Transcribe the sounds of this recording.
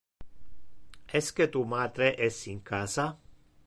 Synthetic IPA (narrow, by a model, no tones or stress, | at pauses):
esket̪umat̪ɾeʔesiŋkasa